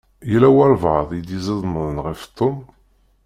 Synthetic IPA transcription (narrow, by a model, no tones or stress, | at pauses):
jəlæwæɾˤvðˤjəd̪jizæðˤməðˤənʁəft̪ʰˤːom